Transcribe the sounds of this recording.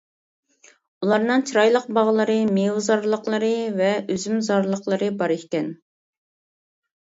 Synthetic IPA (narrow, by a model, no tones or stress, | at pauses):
ulˠɑɾnɨŋt͡ʃʰiɾɑjlˠəq̚bɑʁlˠəɾɨmewzɑɾlˠəqlˠəɾɨvɛøzymzɑɾlˠəqlˠəɾɨbɑɾekʲɛn